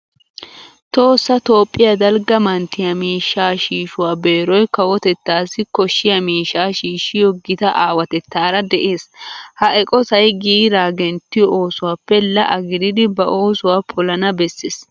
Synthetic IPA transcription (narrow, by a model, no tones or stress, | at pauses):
t̪o̞ːsːɐt̪o̞ːpʼːɪjɐd̪ɐlɡɐmɐnt̪ɪjɐmiːʃːaːʃiːʃʊwaːbe̞ːɾɔjkɐwɔt̪ɛt̪ːaːsɪkɔʃːɪjɐmiːʃːaːʃiːʃɪjɔɡɪt̪ɐʔaːwɐt̪ɛt̪ːaːɾɐd̪ɛʔeːshɐʔɛkʼɔsɐjɡiːɾaːɡɛnt̪ːɪjɔoːsʊwaːpːɛlɐʔɐɡɪd̪ɪd̪ɪbɐʔo̞ːsʊwaːpʰɔlɐnɐbɛsːeːs